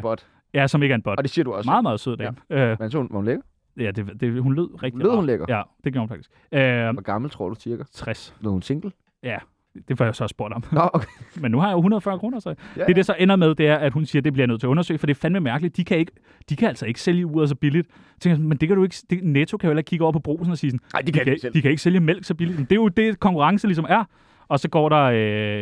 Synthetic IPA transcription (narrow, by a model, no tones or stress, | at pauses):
b̥ɒd̥ | jæsɒ̽me̝ɡ̥æɐenb̥ɒ̽d̥d̥esiɐduɒmɑ̈ːð̩ˠmɑːðˠsøð̰ˠd̥æøænsunʋɑhunleɡ̥ɐ | jæd̥e̝d̥e̝ɦunle̝ð̞̰ˠʁɛɡ̥̚imð̰ˠhunleɡ̥ɐjæd̥e̝ɡ̥jo̰ɐhnfɑ̥isɡ̥øɡ̥ɑ̈ml̩t͡sʰʁo̝ɐ̰d̥ut͡sʰiɐɡ̥ɐt͡sʰʁaseðˠhunseŋɡ̥l̩ | jæ | d̥e̝fɒjasɒsb̥o̝ɐ̰d̥hɒ̽mokʰmenːuhɑ̈jɑoɦunɐðˠfɶɐkʰʁoːnɐsɑd̥e̝d̥esɒ̽ʔenɐðˠmeð̞ˠd̥e̝æɐæd̥hunsiːɐd̥e̝b̥liɐjnøðˠt͡sʰe̝ɐɔnɐsø̰ːɪfɒ̽d̥e̝fænʋemæɐɡ̥lid̥d̥ikʰæe̝ɡ̥ə | d̥ikʰææl̰sɒ̽e̝ɡ̥ə̥seljəuːɐðˠs̬ɒ̽b̥ilid̥ | t͡sʰeŋɡəjsnmend̥e̝kʰæɾue̝ɡ̥əd̥e̝net͡sʰo̝kʰæjoelɐɡ̥kʰiɡəɔ̰ɐpʰɒ̽b̥ʁo̝̰ːsn̩ɒ̽siːsɔndiikd̥ikʰæe̝ɡ̥əseljəmel̰ɡ̥sɒ̽b̥ilid̥mend̥ejod̥e̝kʰɒ̽ŋkʰuʁɑ̈ŋsəlis̬ɒ̽mæɐ | ɒ̽sɒ̽ɡ̥ɒ̰ːɾɑ̈ø